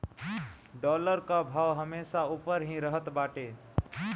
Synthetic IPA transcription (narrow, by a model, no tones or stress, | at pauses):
ɖɔləɾkabʱawɦəmesaupəɾɦĩɾəɦət̪baʈe